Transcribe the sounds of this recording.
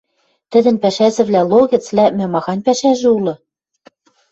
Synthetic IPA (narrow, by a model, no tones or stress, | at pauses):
t̪ɘ̆d̪ɘ̆npæʃæzɘ̆βlʲælˠoɣɘ̆t͡slʲæmɘmɑxɑnʲpæʃæʒɘ̆ulɤ̆